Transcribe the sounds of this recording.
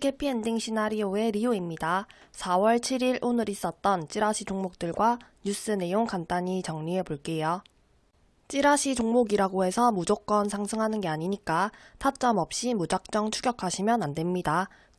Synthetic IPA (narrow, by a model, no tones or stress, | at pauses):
kʰe̞pʰiendiŋɕʰinaɾioe̞ɾioimɲidasʰawʌɭt͡ɕʰiɾiɭʔonɯɾis͈ʌt̚t͈ʌnt͡ɕ͈iɾaɕʰid͡ʑoŋmok̚t͈ɯɭɡwaɲus͈ɯne̞joŋkant͈aɲit͡ɕʌŋɲie̞poɭk͈e̞jo | t͡ɕ͈iɾaɕʰid͡ʑoŋmoɡiɾaɡoɦe̞sʰʌmud͡ʑok͈ʌnsʰaŋsʰɯŋɦanɯnɡe̞aɲiɲik͈atʰat̚t͡ɕ͈ʌmʌp̚ɕ͈imud͡ʑak̚t͡ɕ͈ʌŋt͡ɕʰuɡjʌkʰaɕʰimjʌnandwe̞mɲida